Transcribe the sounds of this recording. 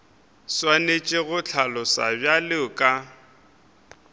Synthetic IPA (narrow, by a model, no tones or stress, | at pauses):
swanet͡ʃʼɪɣʊt͡ɬʰalɔsa̰bjalɪʊkʼa